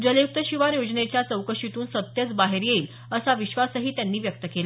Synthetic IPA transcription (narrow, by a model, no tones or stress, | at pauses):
d͡ʑəljuk̚t̪əɕiʋaɾjod͡znet͡ɕjat͡səwkəʂit̪uːnsət̪jət͡sbaɦeɾjeiːl | əsaʋiɕʋasəɦiːt̪janːiːʋjək̚t̪əkela